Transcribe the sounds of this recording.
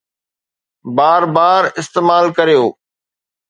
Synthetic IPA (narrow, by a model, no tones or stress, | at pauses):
baːɾbaːɾɪst̪eːmaːlkɐɾijoː